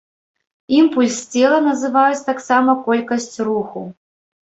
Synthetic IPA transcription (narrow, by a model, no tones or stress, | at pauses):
impulʲst͡sʲɛlˠɐnɐzɨvajut͡sʲt̪aksamɐkɔlʲkɐsʲt͡sʲruxu